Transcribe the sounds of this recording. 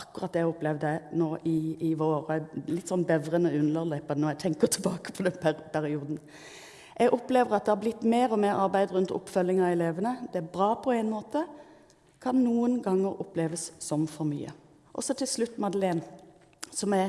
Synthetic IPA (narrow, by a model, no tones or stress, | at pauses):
ɑkːʊɾɑt̪ːɛhɔplɛʋd̪ənoːʔɪːʋoːɾlɪt̪ːsɔnbɛʋɾənəʉnləʁlœɪpɑnənɔɛt̪ʰɛŋkət̪ʰɪlbɑːkə̥pʰɔd̪ɛnppʰæɾɪuːd̪n̩ | ʔɛɡʔɔpleːʋəʁɑt̪̚d̪ɛhɑblɪt̪ːmeːɾɔmeːɾɑɾbæɪd̪ʁʉnt̪ɔ̰pːfœlːɪŋɑɛleːʋənəd̪ɛæbɾɑːpʰɔæɪnmoːt̪ə | kʰɑnːuːənɡɑŋːəɾʊpleːʋəssɔmfɔɾmy̰ːə̰ | ʔɔsɔt̪ʰɪlslʉt̪ːmɑd̪əleːn | sɔmæ